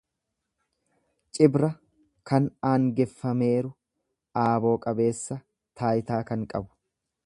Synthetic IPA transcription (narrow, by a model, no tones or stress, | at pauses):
t͡ʃʼɪbɾɐ | kɐnaːŋɡɛfːɐme̞ːɾʊ | ʔaːbo̞ːkʼɐbe̞ːsːɐ | t̪ʰaːjɪt̪aːkɐŋkʼɐbʊ̥